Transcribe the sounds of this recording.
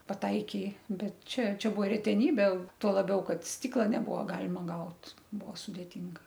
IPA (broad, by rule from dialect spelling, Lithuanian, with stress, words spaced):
pɐˈtɐɪkʲeː ˈbʲɛt ˈt͡ʃʲɛ ˈt͡ʃʲɛ ˈbuɔ rʲɛtʲɛˈnʲiːbʲeː ˈtuɔ lˠɐˈbʲɛʊ ˈkɐt ˈsʲtʲiːklˠɐ nʲɛˈbʊʋoː ˈɡɑːlʲɪmɐ ˈɡɐʊt ˈbuɔ sʊdʲeːˈtʲɪŋɡɐ